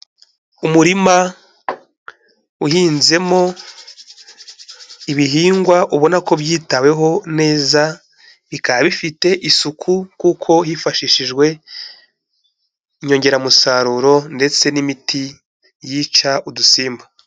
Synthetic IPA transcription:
umuɾima | uhiːnze̞mo̞ | iβiɦiːŋɡwaʔuβo̞nako̞βjiːtawe̞ɦo̞ne̞ːza | βikaaβifite̞ʔisukʰukuːkʰo̞hifaʃiːʃiʒɡwe̞ | iɲo̞ɲɟe̞ɾamusaɾuɾo̞nde̞t͡se̞nimiti | jit͡ʃaʔudusiːmba

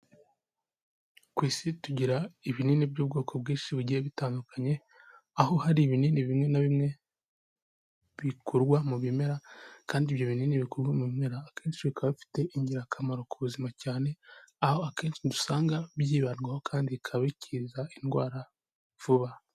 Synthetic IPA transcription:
kwiːsituɟiɾaiβininibɟuːb̚ɡo̞ːko̞bɡiːnʃiβuɟijeβitaːndukʰaɲe̞ | aho̞haɾiβininiβimŋe̞naβimŋe̞ | βikʰuɾɡwamuβime̞ɾakaːndiβjo̞βininiβikuɾɡwamuβime̞ɾaːkʰe̞ːnʃiβikʰaβaβifi̥te̞ʔiɲɟiɾakʰamaɾo̞kuβuzimacaːne̞aho̞ake̞ːnʃidusaːŋɡaβjiːβanɡwaho̞kʰaːndikʰaβacʰiːzainɡwaːɾa | v̥uβa

